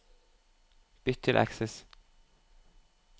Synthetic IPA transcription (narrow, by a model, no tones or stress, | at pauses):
b̥ʏt̪ʰːɪlʔæ̰ksɛs